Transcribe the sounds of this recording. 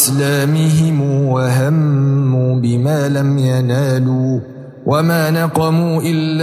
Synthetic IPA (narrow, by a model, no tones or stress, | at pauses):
slaːmɪɦɪmuːwaɦamːuːbɪmaːlamjanaːluː | wʔamaːnɑqɑmuːʔɪlː